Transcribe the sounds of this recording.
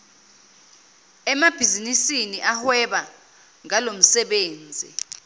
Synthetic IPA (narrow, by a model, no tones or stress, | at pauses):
ɛmab̥ʱizinisiniʔahwɛɓa | ŋalom̩sɛɓeːnd͡zʱḭ